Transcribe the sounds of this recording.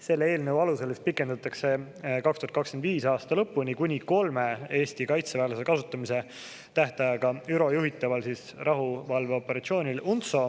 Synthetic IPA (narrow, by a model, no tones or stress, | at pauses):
se̞lːee̞ːlnəwɑluse̞lest̪̚pikːˑe̞nd̪̥ɑt̪ːˑɑkse̞ | kɑkst̪uhɑt̪kɑkskend̪viːsɑːst̪ɑlɤpːunʲikunʲiko̞lme̞e̞ːsʲt̪ikɑjt̪sevæːlesekɑsut̪ˑːɑmise̞ | t̪æht̪ɑjɑɡ̥ɑyɾo̞juɦit̪ːˑɑvɑlsis | rʔɑɦuvɑlve̞o̞pːˑe̞ɾɑt̪sio̞ːnʲilunt̪so̞